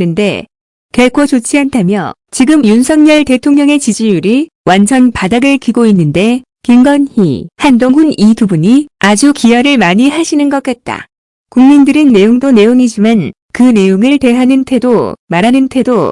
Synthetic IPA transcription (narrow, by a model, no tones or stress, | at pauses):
nɯnde̞ | keɭkʰot͡ɕot͡ɕʰiɦantʰamjʌ | t͡ɕiɡɯmjunsʰʌŋɲʌɭte̞tʰoŋɲʌŋe̞t͡ɕid͡ʑijuɾi | wʔansʰʌnpadaɡɯɭkiɡoinːɯnde̞ | kiŋɡʌnhḭhandoŋɦunipubuɲiad͡ʑukijaɾɯɭmaɲiɦaɕʰinɯnɡʌk͈̚at̚t͈a̰ | kuŋmindɯɾɯnːe̞joŋdone̞joŋid͡ʑiman | kɯne̞joŋɯɭte̞ɦanɯntʰe̞domaɾɦanɯntʰe̞do